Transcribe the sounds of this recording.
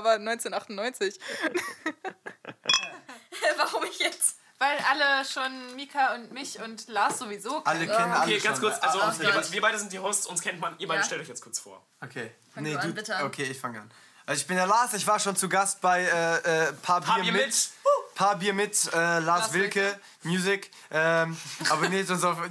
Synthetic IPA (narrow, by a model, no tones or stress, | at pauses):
abɐnɔʏnt͡seːnʔaχtʊnːɔʏnt͡sɪç | vaʁʊmɪçjɛt͡s | v̥aɪlʔaləʃoːnmiːkʰaʊntmɪçʊntlaːsz̥ovizoːkʰalənʰɛnənaleɡanskʊɐt͡sʔalzoiːɐaviːɐbaɪdəzɪnt̚d̥iːhoʊstʔʊnskʰɛntmanʔiːɐbaɪəəʃtɛltɔçjɛt͡skʊɐt͡sfo̰ːɐʔokʰeː | nəduːokʰeːɪçfaŋəan | ʔalzɪçb̥ɪnjaːlaːsɪçv̥aːɐʃoːnt͡suɡast̚b̥aɪɛːʔɛːpʰaːbɐɐm | pʰaːɐbiːɐmɪtʔɛːlaːsvɪlkə | mjuːzɪk | ʔɛːmʔaːbɐneːzonsaf